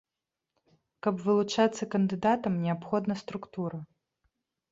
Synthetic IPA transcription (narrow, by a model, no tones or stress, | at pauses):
kɐbvɨlˠut͡ʂat̪sːɐkɐnd̪ɨd̪at̪ɐmnʲɛapxɔd̪nɐst̪ɾukt̪uɾɐ